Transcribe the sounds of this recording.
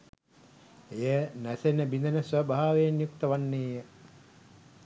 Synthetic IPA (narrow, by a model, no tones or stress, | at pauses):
ejənæsenəbind̪ənəsʋəbʱaaːʋeːnjuk̚t̪əʋanːeːjə